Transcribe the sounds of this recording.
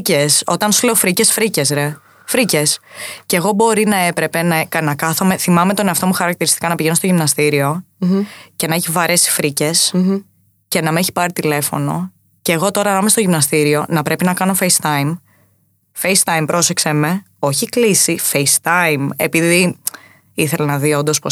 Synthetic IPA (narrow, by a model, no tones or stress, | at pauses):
ceso̞t̪ɐnsule̞ofɾice̞sfɾice̞sɾe̞ | fɾice̞sce̞ɣo̞bo̞ɾinɐe̞pɾe̞pe̞nɐekɐnɐkɐθome̞θimɐme̞t̪o̞neɐft̪o̞muxɐɾɐk̚t̪iɾist̪i̥kɐnɐpiʝe̞no̞st̪oʝimnɐst̪iɾio̞ | ce̞nɐe̞çivɐɾʔe̞si̥fɾice̞s | ce̞nɐmeeçi̥pɐɾit̪ile̞fo̞no̞̰ | ceɣo̞t̪o̞ɾɐlɐmest̪o̞ʝimnɐst̪iɾio̞nɐpɾe̞pinɐkɐno̞fejst̪ɐjm | fejst̪ɐimpɾo̞se̞kseme | o̞çiklisifejst̪ɐime̞̰piði | iθelɐnɐðio̞nd̪o̞spo